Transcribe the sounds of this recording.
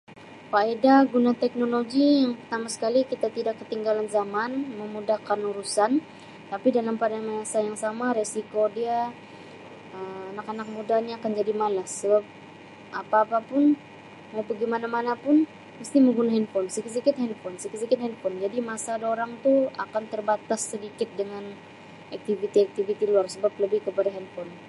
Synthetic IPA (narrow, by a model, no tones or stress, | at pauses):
paedaɡunat̪ɛk̚noloɡijaŋpərt̪amasə̥kalikit̪at̪idakːət̪iŋɡalanzamanməmudahkanuɾusan | t̪apidalampadamaasajaŋsamaɾesikodia | əmanakanak̚mudaɲaːkand͡ʒadimalasəbap̚ | ʔapaːpapʊn | mawbaɡimanamanapʊn | məst̪iməɡunaɦɛnpɔnsikis̬ikɪt̪̚hɛnpɔnsikis̬ikɪt̪̚hɛnpɔnd͡ʒadimasadaoɾaŋt̪uakant̪ərbat̪asːədikɪt̪̚dəŋan | ak̚t̪ivit̪iak̚t̪ivit̪iluarsəbap̚ləbɪhkəpadaɦɛnpɔn